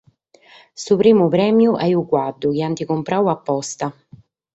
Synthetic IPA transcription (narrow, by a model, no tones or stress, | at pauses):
supɾiːmupɾɛːmjuʔɛjukwad̪ːʊk̟iant̪ikumpɾawapːɔst̪a